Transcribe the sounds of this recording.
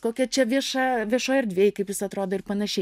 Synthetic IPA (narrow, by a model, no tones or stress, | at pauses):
koːkʲɛt͡ʃʲɛʋʲiɛʃɑːʋʲiɛʃoːjɛrd̪ʲʋʲeːjɪkɐɪpjɪsɐt̪ɾoːd̪oːɪrpɐnɐʃʲɛ